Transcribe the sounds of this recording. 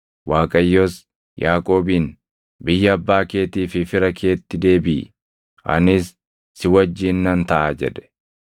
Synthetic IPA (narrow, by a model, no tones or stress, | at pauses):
waːkʼɐjːoːs | jʔaːkʼo̞ːbiːn | bɪjːɐɐbːaːke̞ːt̪iːfɪfɪɾɐkʰe̞ːt̪ːɪd̪e̞ːbɪ | ɐ̰nɪsː | ɪwɐd͡ʒːiːnːɐnt̪ɐʔaːd͡ʒɛd̪ɛ̥